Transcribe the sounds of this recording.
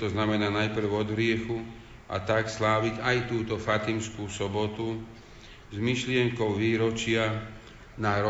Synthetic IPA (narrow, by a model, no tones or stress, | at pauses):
t̪ɔznamɛnaːnajpr̩ʊɔd̪ɦɾɪɛxu | ʔa̰t̪akslaːʋiɟajt̪uːt̪ɔfat̪imskuːsɔbɔt̪u | zmiʃlɪɛŋkɔʊʋiːɾɔt͡ʃɪa | naɾɔ